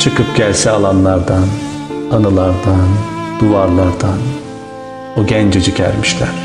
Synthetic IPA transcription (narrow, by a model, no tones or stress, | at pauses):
t͡ʃʰɯkɯpɟ̥ʲælʲsɛalˠanlˠaɾd̪an | anɯlˠaɾd̪and̪̥uvaɾlˠaɾd̪an | oɟænd͡ʒɛd͡ʒicʰæ̰ɾmiʃlʲæɾ̥